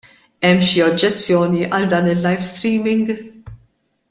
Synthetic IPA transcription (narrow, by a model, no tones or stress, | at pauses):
ɛmːʃiɔd͡ʒːɛt͡sːjɔːniʔɐld̪ɐːnɪlːɐjfst̪ɾiːmɪŋɡ